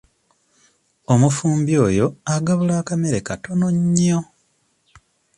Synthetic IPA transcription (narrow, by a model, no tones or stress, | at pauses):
omufuːmbjo̞ːjo̞aɡaβulaːkame̞ɾe̞kato̞no̞ɲːo